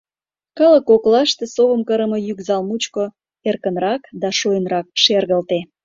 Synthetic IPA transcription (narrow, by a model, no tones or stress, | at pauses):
kələkoklɑʃt̪esoβəmkəɾəməjykzɑlmut͡ɕko | erkənrɑkd̪ɑʃojənrɑk̚ʃerɣəlt̪e